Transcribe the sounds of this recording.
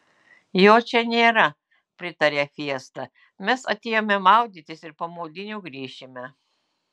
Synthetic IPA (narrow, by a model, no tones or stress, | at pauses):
joːt͡ʃʲɛnʲeːɾɐ | pʲɾʲɪt̪ɐɾʲeːfʲiɛst̪ɐ | mʲɛsɐt̪ʲeːjoːmʲɛmɑˑʊd̪ʲɪt̪ʲɪsɪɾpɐmoːd̪ʲɪnʲuːɡɾʲiːʃʲɪmʲɛ